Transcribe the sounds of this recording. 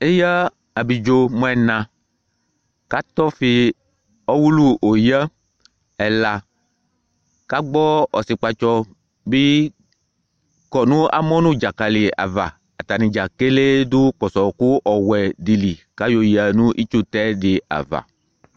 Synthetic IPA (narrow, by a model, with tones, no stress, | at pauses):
e˦jə˦ | a˨bi˨d͡ʒo˦mɔ̃˦ɛ˨nã˨ | ka˦t̪ɔ˦fi˨ | ɔ˦wu˦lu˦o˨jə˦ | ɛ˨la˨ | ka˦ɡ͡bɔ˦ɔ̰˨si˨k͡pa˨t͡ʃɔ˦ | bi˦ | kɔ˨nũ˦a̰˦mɔ̃˦nũ˦d͡ʒa˨ka˨li˨a̰˨va̰˨ | a˨t̪a˨nĩ˨d͡ʒa˨ke˦le˦d̪u˦kɔ˨sɔ˨ku˦ʔɔ˨wɛ˨di˨li˨ka˦jo˨ji˨a˨nũ˦ʔi˦t͡ʃu˦t̪ɛ˦ɖɪ˨a̰˨va̰˨